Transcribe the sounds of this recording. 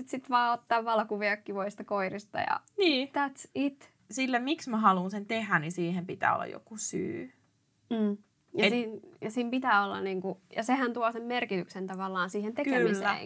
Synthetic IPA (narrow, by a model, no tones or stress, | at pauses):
sit̪sit̪ʋɑːot̪ːɑːʋʋɑlkuʋiɑkːiʋoist̪ɑkoirist̪ɑ̰jɑ̰niːt̪æt̪sit̪ | silːemiksmæhɑlunsent̪ehænnisiːhempit̪æ̰ːo̰lːɑ̰jo̰kusy̰ː | m̩ː | jɑsiːnjɑsiːmpit̪æːolːɑ̰niːŋkujɑ̰sehænt̪uɑsemmerkit̪yksent̪ɑʋɑlːɑːnsiːhent̪ekemilsːŋ